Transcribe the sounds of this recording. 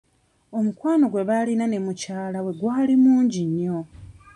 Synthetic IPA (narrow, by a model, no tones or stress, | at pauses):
o̞mukwaːno̞ɡwe̞βalinane̞mucaːlawe̞ɡwaːlimuːɲɟiɲːo̞